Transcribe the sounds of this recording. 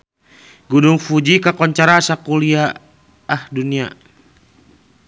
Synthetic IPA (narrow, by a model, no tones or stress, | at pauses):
ɡuduŋfud͡ʒikakɔɲt͡ʃaɾasakuliaː | hdunia